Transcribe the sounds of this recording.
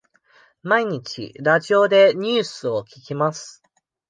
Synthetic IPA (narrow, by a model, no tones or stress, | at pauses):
maiɲ̟it͡ɕḭɾaʑio̞d̪e̞ɲ̟ɨːsɨo̞kʲi̥kʲimasɨ̥